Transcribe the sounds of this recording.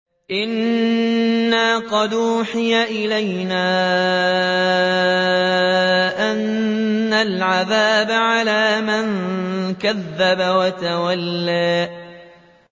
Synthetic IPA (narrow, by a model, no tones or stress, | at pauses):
ʔɪnː | aːqɑd̪ʔuːħɪjaʔɪlajnaː | ʔanː | alʕaðaːbaʕalaːmɪŋkaðːabawat̪awalːaː